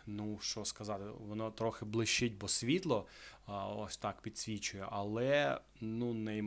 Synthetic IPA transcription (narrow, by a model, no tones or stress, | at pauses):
nuʃt͡ʃɔskɐzɑt̪ɪʋɔnɔt̪ɾɔxɪblˠɪʃt͡ʃɪtʲbɔsʲʋʲit̪lˠɔ | ɔ̰sʲt̪ɑkpʲid̪ʲsʲʋʲit͡ʃʊjɛʔɐlˠɛ | nunɛj